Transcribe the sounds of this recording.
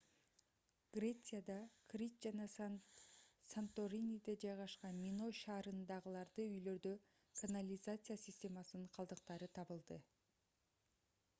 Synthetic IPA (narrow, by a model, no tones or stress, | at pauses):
ɡ̥rʲe̞t̪sɨjad̪ɑkrʲitd͡ʒɑnɑ | sant̪oɾʲinʲid̪ed͡ʒɑjʁɑʃqɑnmʲino̞ʃɑːɾɯnd̪ɑʁɯlˠɑɾd̪ɯyjlø̞ɾd̪ø | kʰanalʲɪzat̪sɨjasʲɪsʲtʲe̞mɑsɯnɴqʰɑlˠd̪ɯq̚t̪ɑɾɯt̪ʰɑβɯlˠd̪ɯ